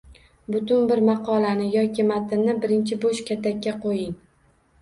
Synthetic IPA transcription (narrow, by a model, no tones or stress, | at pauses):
bʊt̪ʊnbɪɾmɑqʰɒlanɪjɒkʲʰɪmat̪ʰɪnnɪbɪɾɪnt͡ʃʰɪboʃkʲʰat̪ʰakʲːaqʰojɪŋ